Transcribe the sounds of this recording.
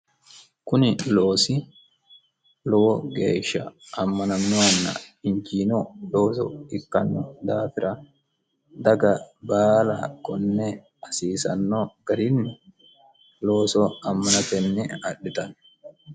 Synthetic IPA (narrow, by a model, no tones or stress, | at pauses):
kʊnɪloːsɪ | lɔwɔɡḛːʃːɐ̰ɐmːɐnɐnːʊɐnːɐ̰ɪnd͡ʒiːnɔloːsɔ̰ɪkːɐnːɔd̪aːfɪɾɐ | d̪ɐɡɐbaːla̰kɔnːɛ | ɐsiːsɐ̰nːɔɡ̥ɐɾɪnːɪ | loːsɔɐmːɐnɐt̪ɛnːɛɐɗːɪt̪ɐn